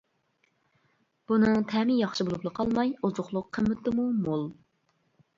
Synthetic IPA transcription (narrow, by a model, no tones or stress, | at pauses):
b̥unɨŋt̪ʰɛmɪjɑχʃɨbolˠuplˠəqʰɑlˠmɑjuzʊχlˠʊqʰːəmːɪt̪ːɨmumolˠ